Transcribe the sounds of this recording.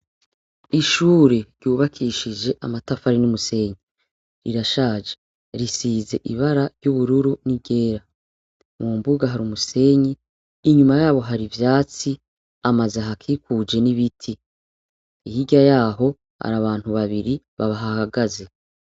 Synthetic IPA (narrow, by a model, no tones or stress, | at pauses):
iʃuːɾe̞ɾjuːβakʰiʃid͡ʒe̞ʔamatafaɾinumuse̞ɲi | ɾḭɾaʃaːd͡ʒe̥ | ɾisiːze̞̰ʔiβaɾaɾjuβuɾuɾuniɟe̞ːɾa | mumbuɡaɦaɾumuse̞ɲiː | ɲumajaːβo̞ɦaɾivjaːt͡si | amazaɦakʰiːkud͡ʒe̞niβitʰi | ihiɟajaːɦo̞ | ha̰ɾaβaːn̥huβaβiɾi | βaβaɦahaɡaze̞